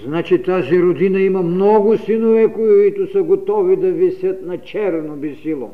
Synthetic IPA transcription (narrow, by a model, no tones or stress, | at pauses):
znat͡ʃit̪aziɾod̪inɐimɐmnɔɡʊsinovɛkoit̪ʊsɐɡot̪ɔvid̪ɐvɛsət̪nɐt͡ʃɛɾvnobisilˠo̰